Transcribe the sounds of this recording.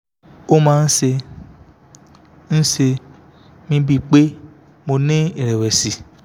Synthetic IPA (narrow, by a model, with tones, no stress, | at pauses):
o˦mãː˦˧n̩˦se˧ | ñ̩˦se˧ | mĩ˧˦bi˧k͡pe˦ | mo˧nĩ˦i˦˨ɾɛ˨wɛ˨si˨